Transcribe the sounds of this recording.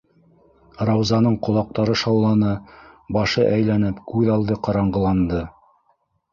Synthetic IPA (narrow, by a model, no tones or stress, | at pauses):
rɑwzɑnɤɴqŏlˠɑq̚t̪ɑɾɤʃɑwlːˠɑnɤbɑʃɤʔæjlænɘpkʉðɑlˠd̪ɤqɑɾɑɴɢɤ̆lˠɑnd̪ɤ